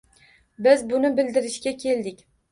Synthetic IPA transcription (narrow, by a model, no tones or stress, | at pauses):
bɪzbʊnɪbɪld̪ɪɾɪʃkʲakʲʰe̞ld̪ɪkʲ